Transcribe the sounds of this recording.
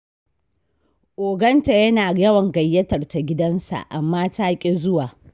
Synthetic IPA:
ʔoː˨ɡɐ˦nta˨jɐ˦naː˨jɐ˦wɐ˨ŋɡɐ˨jːɐ˦tɐ˨rta˨ɡʲɪ˦dɐ˦nsa̰˨ʔa̰˨mːaː˦taː˦kʲʼe˦zʊ˦waː˨

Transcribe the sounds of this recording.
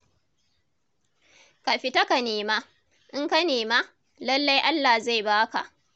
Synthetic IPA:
ka˨ɸɪ˨ta˦ka˨neː˨maː˦ | ʔɪ˦ŋka˦neː˨ma˦ | lɐ˦lːa˦jʔa˦lːa˨hza˦˨jbaː˦ka̰˨ʔ

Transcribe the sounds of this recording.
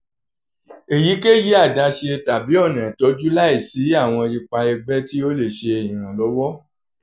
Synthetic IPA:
e˨ji˨˦ke˦ji˦a˦˨dã˨˧ʃe˧ta˨bi˨˦ɔ˦˨nã˨tɔ˨˧˦d͡ʒu˦la˦i˦˨si˨˦a˦˨w̃ɔ̃˧i˧k͡pa˧ɛ˧bɛ˦ti˦o˦le˦˨ʃe˧e˨ĩ˨ɾ̃ã˨lɔ˨˦wɔ˦

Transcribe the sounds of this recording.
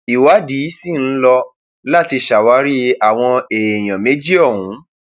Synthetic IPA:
i˨wa˨˦di˨˦si˦˨n̩˦lɔ˧ | la˦˨ti˧ʃa˨wa˨˦ɾi˦a˨w̃ɔ̃˧e˨j̃ã˨mẽ˨˦d͡ʒi˦ɔ˦˨hũ˨˦

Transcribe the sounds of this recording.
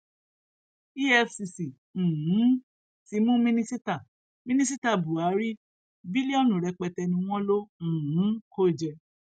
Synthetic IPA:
i˦ɛ˦fsi˧sĩ˨ | hũ˨˦ | ti˨˦mũ˦mĩ˦nĩ˦si˦ta˦˨ | mĩ˦nĩ˦si˦ta˦˨bu˨a˨˦ɾi˦ | bi˦li˦ɔ˦˨nũ˨ɾɛ˧k͡pɛ˧tɛ˧nĩ˧w̃ɔ̃˦lõ˦˨ɦũ˨˦ko˦˨d͡ʒɛ˧

